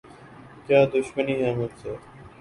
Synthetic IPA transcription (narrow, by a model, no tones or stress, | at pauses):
kjaːd̪ʊʃməniːaːmət̪seː